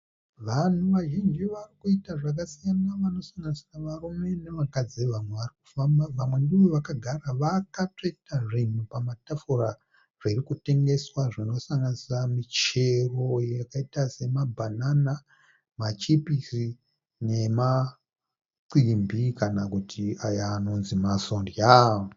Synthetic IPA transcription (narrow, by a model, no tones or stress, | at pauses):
ʋan̤uʋaʒind͡ʒiʋarikuitaʐak̬asijanaʋano̞saŋɡanisraʋarume̞neʋakad͡ziʋamwe̞ʋariku̥fambaʋamwe̞ndiʋoʋakaɡʱaraʋakate̞taʐin̤upamatafura | ʐ̥irikute̞ŋɡe̞swaʐino̞saŋɡanisamit͡ʃe̞ro̞jjakaitase̞mabʱanana | mat͡ʃipisi | ne̞ma | ǀimbikanakutʰiajaːno̞nzimasondja